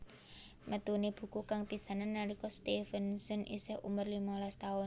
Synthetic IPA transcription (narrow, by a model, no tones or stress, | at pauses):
mət̪uneb̥ṳkukaŋt̪isananːaɾikɔst̪ifɛnsənʔḭsɪhʔṵmərlimalast̪aʊn